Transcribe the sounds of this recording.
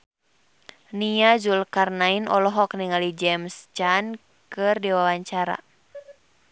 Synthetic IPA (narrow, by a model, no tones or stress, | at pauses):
niazulkarnainɔ̰lɔɦɔk̚niŋalid͡ʒɛmst͡ʃan | kɨrdiwawaɲt͡ʃaɾa̰